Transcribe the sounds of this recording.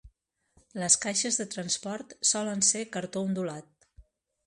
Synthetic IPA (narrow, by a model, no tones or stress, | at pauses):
ləskajʃəzðət̪ɾənspɔɾt̪sɔlənsekəɾt̪ound̪ulat̪̚